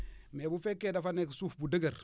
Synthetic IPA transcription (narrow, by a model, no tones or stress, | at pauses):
mebufekːedafanekisufbudəɡaɾ